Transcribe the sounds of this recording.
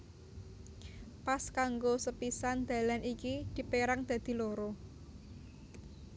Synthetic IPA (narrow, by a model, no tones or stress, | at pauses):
paskaŋɡosəpisand̪̥ä̤lanʔikid̪̥i̤peɾaŋd̪̥ä̤d̪̥i̤loɾo